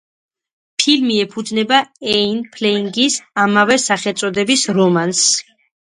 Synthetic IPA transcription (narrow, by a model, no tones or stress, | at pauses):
pʰilmiɛpʰud̪znɛbaɛinpʰlɛiŋɡisamavɛsaχɛlt̪sʼɔd̪ɛbisɾɔmans